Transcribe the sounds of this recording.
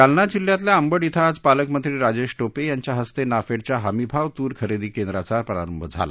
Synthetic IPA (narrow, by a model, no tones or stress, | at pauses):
alnad͡ʑiljat̪̬ljaəmbəɽit̪ʰad͡zpaləkmənt̪ɾiːɾad͡ʑeɕʈopejaɲt͡ɕjaɦəst̪enafeɽt͡ɕjaɦamibʱaʋt̪uːɾkʰəɾed̪iːkend̪ɾat͡sapəɾa̰ɾəmbʱəd͡zʱa̰la̰